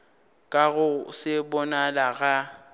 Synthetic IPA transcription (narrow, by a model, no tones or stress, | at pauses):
kʼaɣʊsɪbɔnalaɣa